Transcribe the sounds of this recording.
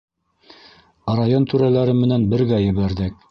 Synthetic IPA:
ɾajont̪ʰʉɾælæɾɘmɘ̆nænbɘ̆ɾɡæjɘ̆βæɾðɘk̚

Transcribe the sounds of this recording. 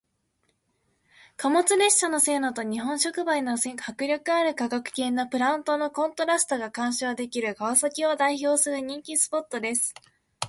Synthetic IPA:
kamo̞t͡sɨɾe̞ɕɕano̞se̞ːno̞t̪o̞ɲ̟iɦõ̞ɰ̃ɕo̞kɯ̟baino̞sehakɯ̟ɾʲokɯ̟aɾɯ̟kakakɯ̟̥kẽ̞nːopɯ̟ɾãɯ̟̃nt̪o̞no̞kõ̞nt̪o̞ɾasɨ̥t̪o̞ɡakãɰ̃ɕoad̪e̞kʲiɾɯ̟ɡaβasokʲio̞d̪aiço̞ːsɨɾɯ̟ɲ̟ĩŋkʲisɨ̥po̞t̪ːo̞d̪e̞sɨ̥

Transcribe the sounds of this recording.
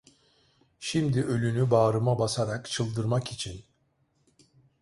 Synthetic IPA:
ʃimd̪iʔø̞lʲynybaːɾɯmabasaɾakt͡ʃʰɯlˠd̪ɯɾmakit͡ʃʰin

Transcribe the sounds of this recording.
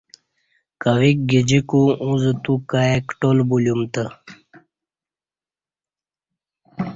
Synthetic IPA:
kawik̚ɡid͡ʑikuũzət̪ukaekʈolbuljumt̪ə

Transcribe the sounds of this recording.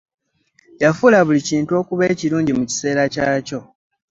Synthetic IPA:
jafulaβuliciːntuo̞ːkuβe̞ːciɾuːɲɟimuci̥se̞ːɾacaːco̞

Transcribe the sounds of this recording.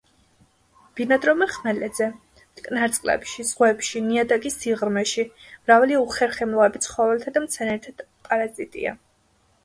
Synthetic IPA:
b̥inad̪ɾɔmaχmɛlɛd̪zɛ | kʼnaɾt̪sʼqʼlɛ̰pʃizʁwɛpʃiniad̪akʼisiʁɾmɛʃimɾavaliuχɛɾχɛmlˠɔɛbit̪sʰχɔvɛlt̪ʰad̪amt̪sʰɛnɛɾt̪ʰad̪ | pʼaɾazit̪ʼḭa̰

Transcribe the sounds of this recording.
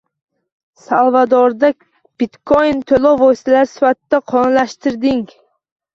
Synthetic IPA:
salˠvad̪ɒɾd̪akʲ | b̥ɪt̪kʰojnt̪ʰolˠovojst̪ʰalaɾsɪ̥fat̪ɪd̪aqʰɒnlaʃt̪ɪɾd̪ɪŋ

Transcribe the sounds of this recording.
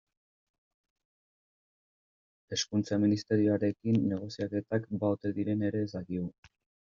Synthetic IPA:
e̞skunt͡saminist̪e̞ɾio̞aɾe̞kinːe̞ɣ̞o̞siake̞t̪akbaot̪e̞ðiɾe̞ne̞ɾe̞saɣiɣu

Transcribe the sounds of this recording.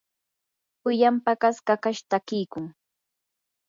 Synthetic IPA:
pʊjampakaskakaʃt̪akɪjkʊŋ

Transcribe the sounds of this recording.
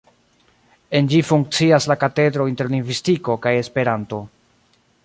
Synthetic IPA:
e̞nd͡ʒifuŋk̚t͡siaslakate̞dɾo̞inte̞ɾliŋɡvistiko̞kaje̞spe̞ɾanto̞

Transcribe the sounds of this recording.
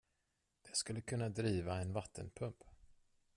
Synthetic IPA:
d̪̥ɛskɵlːəkʰɵnːad̪ɾiːvaɛnvat̪ʰːə̰npʰɵmp

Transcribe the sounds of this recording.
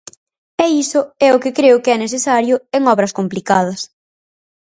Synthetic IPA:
ɛisʊɛʊkɪkɾeʊkɪɛneθesaɾjʊeŋɔβɾɐskomplikaðɐs

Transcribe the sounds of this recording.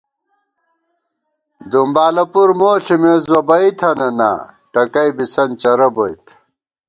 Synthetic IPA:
d̪umbaːlɐpuɾmoːɬimezwɐbɐit̪ʰɐnɐna̰ː | ʈɐkɐjbisɐnt͡ɕɐɾɐbojt̪ʰ

